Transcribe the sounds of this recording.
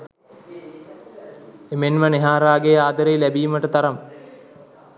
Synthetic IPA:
emenʋəneɦaːɾaːɡeaːd̪əɾejlæbiːməʈət̪aɾɐm

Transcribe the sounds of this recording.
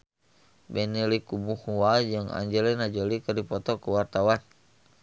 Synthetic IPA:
bɛnilikubuhuwald͡ʒɨŋa̰ɲd͡ʒɛlinad͡ʒɔlikərdipɔt̪ɔkəwart̪awan

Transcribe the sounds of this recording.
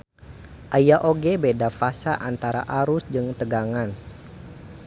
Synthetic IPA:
ʔajaʔoɡebedafasaʔant̪aɾa̰ʔaɾʊsd͡ʒɨŋt̪əɡaŋan

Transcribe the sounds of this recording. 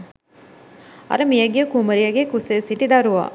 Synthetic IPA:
ɐ̰ɾɐmijɐɡejkumɐɾijɐɡekusesiʈid̪aɾuʋa̰

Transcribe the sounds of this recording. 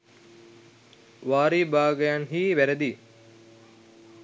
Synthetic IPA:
ʋaːɾiːbaːɡɐjanɦiːʋæɾed̪iː

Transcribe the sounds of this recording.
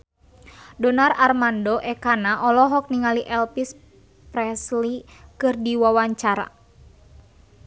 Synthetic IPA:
dɔnararmandɔʔɛkanaʔɔlɔɦɔk̚niŋaliʔɛlpis | pɾɛslikɨrdiwawaɲt͡ʃaɾa̰

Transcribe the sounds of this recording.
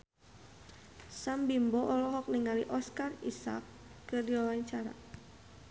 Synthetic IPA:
sambimbɔʔɔlɔɦɔk̚niŋaliʔɔskarisa̰kː | ərdiwawaɲt͡ʃaɾa̰

